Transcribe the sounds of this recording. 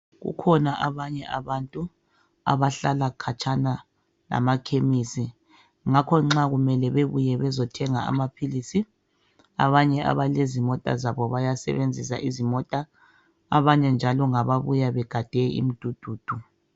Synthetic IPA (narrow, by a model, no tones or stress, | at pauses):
ɣṵkʰɔnaʔaβaɲɛʔaβantʼu | a̰βaɬalakʰat͡ʃʰʼana | la̰makʰemisi | ŋakʰɔŋ͡ǁaɣumɛlɛβeβujɛβɛzɔtʰɛŋaa̰mapʰilisi | a̰βaɲɛʔa̰βalezimɔtʼa̰zaβɔβajasɛ̰βend͡zʱisa̰ʔizimɔtʼa̰ː | βaɲɛnd͡ʒʱalɔŋaβaβujaβɛɡ̥ʱad̥ʱɛḭm̩d̥ʱud̥ʱuːd̥ʱu